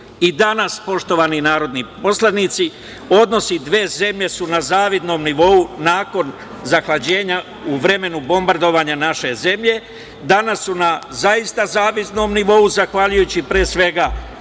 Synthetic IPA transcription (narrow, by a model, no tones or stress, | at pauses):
id̪anaspo̞ʃt̪o̞ʋaːninaːɾo̞d̪nipo̞slanit̪si | o̞d̪no̞sid̪ʋe̞ːze̞mʎe̞sunazaːʋid̪no̞ːmniʋo̞unaːko̞n | zaxlad͡ʑe̞ːɲa | uʋɾe̞me̞nubo̞mbaɾd̪o̞ʋaːɲanaʃe̞ze̞mʎe̞ | d̪anasːunazaist̪azaːʋid̪no̞ːmniʋo̞uzaxʋaʎujut͡ɕipɾeːsʋe̞ɡa